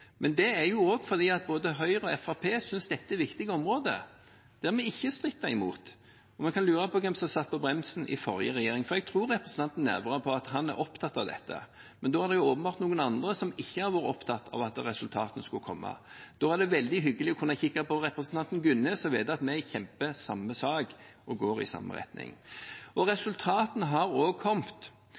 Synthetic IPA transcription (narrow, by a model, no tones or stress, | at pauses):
mɛnd̪ɛæjʊɔːɡfɔɾd̪iːɑt̪̚boːd̪əɦœʏʁɔɛfɑpʰeːsʏnsd̪ɛt̪ːəɛɾʋɪkt̪ɪɡəɔmɾoːd̪ə̰ | d̪̥æɾmɛɪçːəst̪ʁɪt̪ːɑɪmṵːt̪ | ɔmɛnkɑnlyːɾɑpɔkʰɛmsɔmsɑt̪̚ːpʰɔbɾɛmsn̩ʔɪ̰fɔɾjə̰ʁɛjeːɾɪŋfɔɾɛɡ̚t̪ʰɾuːɾɛpɾɛsən̩ʰɑnt̪n̩ːæ̰ɾʋɑʁəpʰɔɑt̪hɑnæ̰ɾʔɔpt̪ʰɑt̪ːɑʋd̪ɛ̰t̪ːə̰ | mɛnd̪ɔːhɑʁd̪ɛjʊoːpəm̩bɑːɾt̪nuːɡənɑnd̪ɾəsɔmɪçːəhɑɾʋɑːɾə̰ɔpt̪ʰɑt̪ːʰɑ̰ʋɑt̪ɾɛsʉlt̪ʰɑːt̪nskʉkʰɔmːʔɑ̰d̪̥oːæd̪ɛʋɛld̪ɪɦʏɡːəlɪɔkʰʉnːɑçɪkːɑpɔɾɛpɾəsnt̪ʰɑnt̪n̩ɡʉnːəsɔʋḛːd̪ɑt̪mɛɪçɛmpəsɑmːəsɑːɡʔɔɡoːɾɪ̰sɑ̰mːə̰ɾɛ̰t̪nɪ̰ŋʔɔɾɛsʉlt̪ʰɑːt̪nɦɑɾoːɡkʰɔmt̪